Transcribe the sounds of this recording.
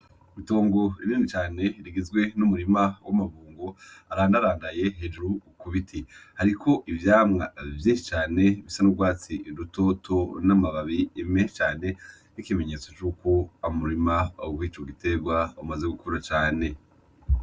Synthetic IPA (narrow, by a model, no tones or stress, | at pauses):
mito̞ːŋɡo̞ḭɾiːndit͡ʃaːne̞ɾiɡizɡwe̞numuɾimawʔamaβuːŋɡo̞aɾaːndaɾaːndaje̞ɦed͡ʒuɾukuβitʰihaɾikʰo̞ʔivjaːmŋa̰vjiːnʃit͡ʃaːne̞βisanuɡwaːt͡siɾuto̞tʰo̞namaβaβiːmeʃt͡ʃaːne̞ | nikime̞ɲe̞ːt͡so̞t͡ʃuːko̞aumuɾimawiːt͡ʃoɡite̞ɡwaumazeɡukoɾat͡ʃaːne̞